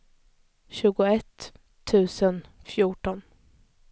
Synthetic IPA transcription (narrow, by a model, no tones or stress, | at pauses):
ɕʉ̟ːɡʊɛt̪ʰː | ʉ̟ːsənfjuːʈɔn